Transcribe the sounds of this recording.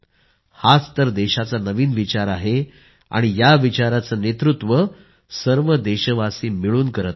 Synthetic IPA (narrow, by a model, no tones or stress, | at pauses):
hat͡st̪əɾd̪eɕat͡sanəʋiːnʋit͡ɕaɾaɦe | a̰ɽ̃ijaʋit͡ɕaɾat͡sənet̪ɾut̪ʋə | səɾʋəd̪eɕəʋasiːmiɭuːnkəɾət̪̚